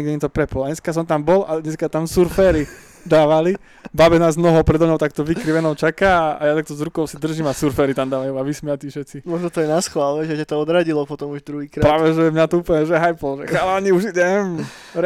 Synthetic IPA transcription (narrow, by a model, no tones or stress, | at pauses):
ɡd̪iɲɛt̪ɔpɾɛpɔlɲɛskas̬ɔmt̪ambɔlad̪ɲɛskat̪amsuɾfɛːɾi | d̪aːʋali | baːbɛnaːznɔɦɔʊpɾɛd̪ɔmɲɔʊt̪akt̪ɔʋikɾiʋɛnɔʊt͡ʃakaːa̰jat̪ak̚t̪ɔzɾukɔʊsid̪r̩ʒimasuɾfɛɾit̪amd̪aːʋajumaʋismiat̪iːfʃɛt̪t͡simɔʒnɔt̪ɔjɛnasxlalɛʒɛcat̪ɔɔd̪ɾaɟilɔpɔt̪ɔmuʒd̪ɾuɦiːkɾapɾaːʋɛʒɛmɲat̪ɔuːpl̩ɲɛʒɛɦajpɔlʒɛxalaɲiuʒiɟɛm | ɾ